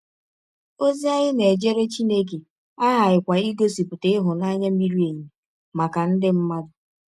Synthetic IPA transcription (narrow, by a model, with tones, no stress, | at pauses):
o˦zi˦a˦ɲɪ˦ne˨e˨d͡ʒe˦ɾe˦t͡ʃi˦ne˦k̬e˨ | a˦ɦa˨ɪ˨kʷa˨i˦ɡo˦si˨pʊ˨te˦ɪ˦ɦʊ˨na˦ɲa˦m̩˦i˦ɾi˦e˨ɲe˨ | ma˨ka˨n̩˦dɪ˦m̩˦ma˦dʊ˨